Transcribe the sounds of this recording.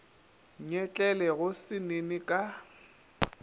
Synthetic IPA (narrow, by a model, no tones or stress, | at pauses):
ɲɛt͡ɬʼɛlɛɣʊsɪnenɪkʼa